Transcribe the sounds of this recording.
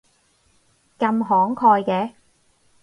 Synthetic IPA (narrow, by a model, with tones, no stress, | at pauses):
kɐ˧mɦɔː˨˥ŋkʰɔː˧jkɛː˧